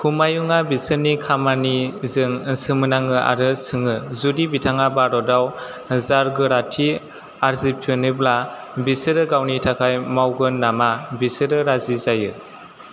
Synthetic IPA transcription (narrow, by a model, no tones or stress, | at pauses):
kʰumajuŋabisɯnikʰamanizɯŋsɯmɯnaŋɯʔa̰ɾɯsɯŋɯzudibitʰaŋabaɾɔdaw | zaɾɡɯɾatʰi | aɾzipʰɯnɯblabisɯɾɯɡawnitʰakʰajmawɡɯnamabisɯɾɯɾazizajɯ